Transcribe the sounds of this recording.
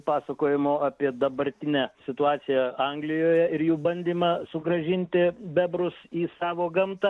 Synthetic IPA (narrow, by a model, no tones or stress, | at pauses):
pɑːsɐkoːjɪmoːɑpʲiɛd̪ɐbɐɾʲt̪ʲɪnʲæsʲɪt̪ʊɑːt̪sʲɪjɛɐŋɡlʲɪjoːjɛɪɾjuːbɐnʲd̪ʲiːmɐsʊɡɾɐʒʲɪnʲt̪ʲɪbʲɛbɾʊsiːsɑːʋoːɡɐmt̪ɐ